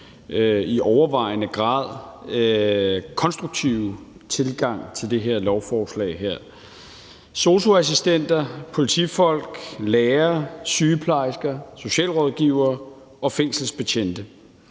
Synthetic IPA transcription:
iʔɒʊɐʋɑ̈ɪ̰nəɡ̥ʁɑ̈ːð̞̰ˠ | kʰɒ̽nsd̥ʁuɡ̥̚t͡sʰiʊ | t͡sʰe̝lɡ̥ɑ̈ŋ̰t͡sʰe̝ld̥e̝ɦeɐ̰lɒʊfɒːslɛ̰ɪɦeɐ̰ | so̝so̝æs̬isd̥en̰d̥ɐpʰo̝lit͡sʰḭfɒ̽l̰ɡ̥leːɐsyːəpʰlɑ̈ɪsɡ̥ɐso̝ɕɛ̰ːlʁɒðˠɡ̥iːʊɐː | ɒ̽feŋ̰sl̩sb̥eɕʰen̰d̥ə

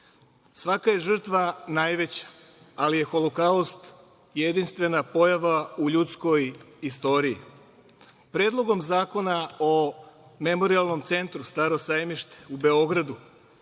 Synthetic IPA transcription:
sʋakaje̞ʒr̩t̪ʋanajʋe̞t͡ɕḁ | alije̞xo̞lokaost̪ | je̞d̪inst̪ʋe̞napo̞jaʋauʎut̪sko̞jist̪o̞ːɾiḭ | pɾe̞ːd̪lˠo̞ɡo̞mzaːko̞naome̞mo̞ɾialˠno̞mt̪se̞nt̪ɾust̪aːɾo̞sajmiʃt̪e̥ube̞o̞ɡɾad̪u

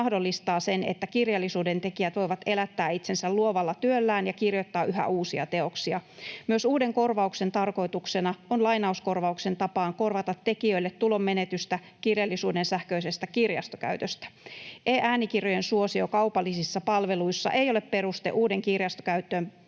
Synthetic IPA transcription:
ɑhdolːist̪ɑːsenḛt̪ːækirjɑlːisuːdent̪e̞kiæt̪ʋo̞iʋɑt̪e̞læt̪ːæːit̪sensælluoʋɑlːɑt̪yølːæːnjɑkirjot̪ːɑːʔyɦæ̰ʔuːsiɑ̰t̪e̞o̞ksiɑmyøsuːde̞ŋko̞rʋɑukse̞nt̪ɑrko̞it̪uksenɑonlɑjnɑuskorʋɑukse̞nt̪ɑpɑːŋkorʋɑt̪ɑt̪ːekiøilːet̪tulo̞mːenet̪yst̪æ | kirjɑlːisuːdensæhkøisest̪ækirjɑ̰st̪okæ̰yt̪øst̪æ̥ʔeːʔæːnikirjojensuosiokɑupɑlːisisːɑpɑlʋeluisːɑ̰ʔeijo̞le̞ppeɾust̪ḛʔuːde̞ŋkirjɑst̪okæyt̪ːˑøːn

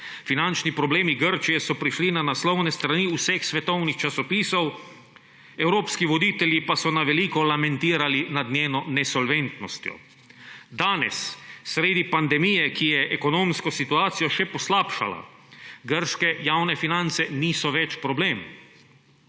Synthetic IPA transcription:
finant͡ʃnipɾɔbleːmiɡəɾt͡ʃijɛsɔpɾiʃlinanaslɔwnɛst̪ɾaniusɛxsʋɛt̪ɔwnixt͡ʃasɔpiːsɔw | ɛwɾoːpskiʋɔd̪iːt̪ɛljipasɔnaʋɛliːkɔlamɛ̃nt̪iːɾalinad̪nʲeːnɔnɛsɔlʋent̪nɔst̪jɔ̰ | d̪aːnɛsːɾeːd̪ipand̪ɛmijɛkijɛʔɛkɔnoːmskɔsit̪uaːt̪sijɔʃɛpɔslaːpʃa̰la̰ɡəɾʃkɛjawnɛfinant̪sɛniːsɔʋɛt͡ʃpɾɔbleːm

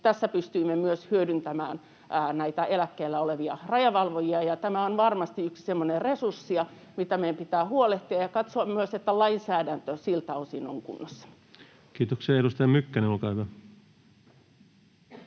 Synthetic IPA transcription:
t̪æsːæpyst̪yimːemyøshyødynt̪æmæ̰ːnː | næit̪æʔelækːeilːæoleʋiɑrɑjɑʋɑlʋojiɑjɑt̪æmæonʋɑrmɑst̪iykssemːoneresursːiɑ | mit̪æmeimpit̪æːhuoleht̪iɑjɑkɑt̪soɑmmyøset̪ːælɑinsæːdænt̪øsilt̪æosino̰ŋkṵnːɑsːɑ̥ | kiːt̪oksiɑeɾust̪ɑjɑmykːæneolkɑˑːhyʋæ

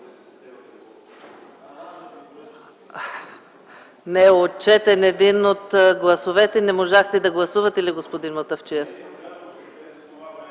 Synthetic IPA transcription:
nɛot͡ʃɛt̪ɛnɛd̪inot̪ɡlˠɐsovɛt̪ɛnɛmoʒaxt̪ɛd̪ɐɡlˠɐsuvɐt̪iliɡospod̪inmɐt̪əft͡ʃiɛf

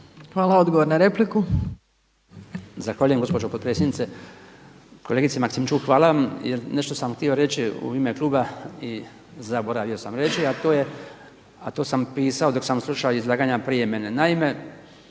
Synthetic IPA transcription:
xʋaːlaod̪ɡoʋoɾnaɾe̞pliku | zaxʋaːʎuje̞ŋɡospod͡ʒopot̪pɾesjenit̪se | ko̞leɡit̪semaksimt͡ʃuxʋaːlaʋamjeɾne̞ʃt̪o̞samxt̪io̞ɾe̞t͡ʃiṵime̞klˠuːbai | zabo̞ɾaʋio̞samɾe̞t͡ʃiat̪oːje̞ | at̪oːsampiːsaod̪o̞ksamslˠuʃaoizlˠaːɡaɲapɾijeme̞nenaime̞

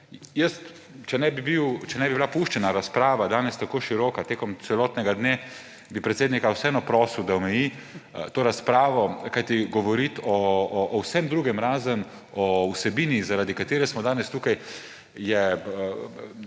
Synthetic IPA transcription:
jəst̪ | t͡ʃɛnɛbibiwt͡ʃɛnɛbibilapuʃt͡ʃɛnaɾaspɾaːʋad̪aːnɛst̪akoːʃiɾɔːkat̪eːkɔmt̪sɛlɔːt̪nɛɡad̪ne | bipɾɛt̪seːd̪nikawsɛɛnɔpɾɔːsiwd̪aɔmɛjit̪oːɾaspɾaːʋɔkajt̪iɡɔʋɔɾit̪ɔːwsɛmd̪ɾuːɡɛmɾaːzən | ɔwsɛbiːnizaɾaːd̪ikat̪eːɾɛsmɔd̪aːnɛst̪uːkaj | jɛ

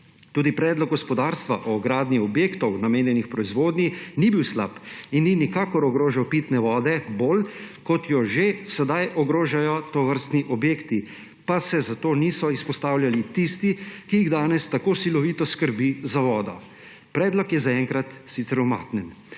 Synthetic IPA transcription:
t̪uːd̪ipɾɛːd̪lɔk̚ɡɔspɔd̪aːɾst̪ʋaʔɔːɡɾaːd̪niɔbjeːkt̪ɔwnameːnjɛnixpɾɔizʋoːd̪ninibiwsla̰pinːinikaːkɔɾɔɡɾoːʒawpiːt̪nɛʋɔːd̪ɛboːlkɔt̪jɔʒesɛd̪ajʔɔɡɾoːʒajɔt̪ɔʋəɾst̪niʔɔbjeːkt̪i | pasɛzat̪oːnisɔispɔst̪aːwljalit̪ist̪ikiiɣd̪aːnɛst̪akoːsilɔʋiːt̪ɔskəɾbizaʋɔːd̪ɔ̰ | pɾɛːd̪lɔkjɛzaɛŋkɾat̪sit̪sɛɾɔma̰ːt̪nɛn

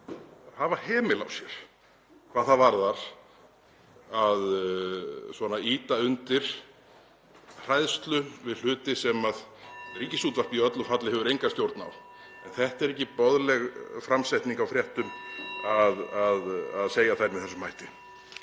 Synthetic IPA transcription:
havahɛːmɪla̰wsjɛɾ̥ | kʰv̥aːðθaðvaɾðaɾ̥ | að | svɔnaiːt̪aʏnt̪ɪɾ̥ | r̥ajðst̪lʏvɪðl̥ʏːt̪ɪsɛmaðɛɾicːɪsjuːt̪var̥piœt̪lʏfat̪lɪhɛvʏɾejŋkast̪jowɾt̪na̰w | ɛnθɛht̪ɛɾɛcːɪpɔðlɛɣfɾamsajt̪niŋkawfɾjɛht̪ʏmaðaðaðseːjaθajɾmɪθɛsːʏmːajht̪ɪ

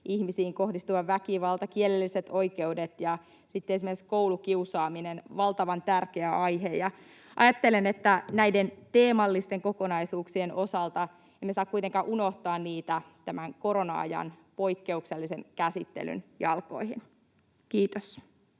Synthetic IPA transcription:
ʔiçmisiːŋko̞hdist̪uʋɑʋʋækiʋɑlt̪ɑkielelːiset̪o̞ike̞udet̪jɑ | sit̪ːeesimekiskowlukiusɑːminenʋɑlt̪ɑʋɑnt̪ærkeæʔɑjɦejɑ | ʔɑ̰jɑt̪ːelenet̪ːænæident̪eːmɑlːist̪e̞ŋko̞ko̞nɑisuːksieno̞sɑlt̪ɑ | emːesɑːkːuijt̪eŋkɑːʔuno̞ht̪ɑːnniːt̪æt̪æmæŋkoɾonɑɑ̰jɑ̰npoikːe̞ukselːiseŋkæsit̪ːḛly̰njɑ̰lko̞̰ihin | kiːt̪os

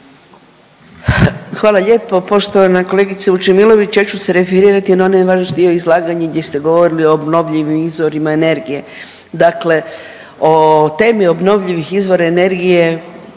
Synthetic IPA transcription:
xʋaːlˠaʎe̞ːpo̞po̞ʃt̪onako̞le̞ɡit̪siut͡ʃemilˠo̞ʋit͡ɕjat͡ʃuseɾe̞fiɾiːɾat̪inaonajʋaːʒnoʃd̪ioizlˠaːɡaɲaɡd̪ʲje̞st̪e̞ɡoʋo̞ɾilio̞ːbno̞ʋʎiʋimizʋo̞ɾimaene̞ɾɡije̞ | d̪akle̞ | ot̪e̞ːmio̞bno̞ʋʎiʋixizʋo̞ɾaene̞ɾɡije̞

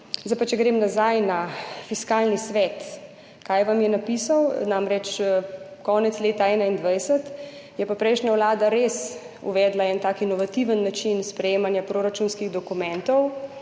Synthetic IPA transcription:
zaɪpat͡ʃɛɡɾeːmnazajnafiskaːlnisʋɛːt̪ | kajʋamjɛnapisawnaːmɾɛt͡ʃ | kɔːnɛt̪sleːt̪aɛːnaind̪ʋajsət̪ | jɛpapɾɛjʃnawlaːd̪aɾes | ṵʋɛːd̪laɛnt̪aːkinɔʋat̪iʋənːat͡ʃinspɾɛjeːmanjapɾoːɾat͡ʃunskiɣd̪ɔkumɛ̃nt̪ɔw

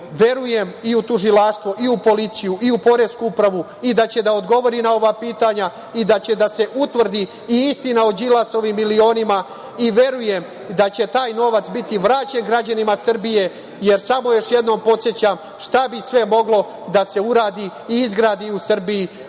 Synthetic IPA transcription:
ʋe̞ɾuje̞miut̪uʒilaːʃt̪ʋoʔiupo̞lit̪sijuʔiupo̞ɾe̞skuupɾaʋu | id̪at͡ɕe̞d̪ao̞d̪ɡo̞ʋo̞ɾinao̞ʋapiːt̪aɲa | id̪at͡ɕe̞d̪ase̞ʔut̪ʋr̩d̪i | iist̪inaod͡ʒilaso̞ʋimːilio̞ːnima | iʋe̞ɾuje̞m | d̪at͡ɕe̞t̪aːjno̞ʋat̪sbit̪iʋɾaːt͡ɕenɡɾad͡ʑanimasr̩bije̞ | je̞ɾsamo̞jo̞ʃjed̪no̞ːmpo̞t̪sjet͡ɕam | ʃt̪abisʋe̞mo̞ɡlo̞ | d̪ase̞uɾaːd̪i | iizɡɾaːd̪iusr̩biji

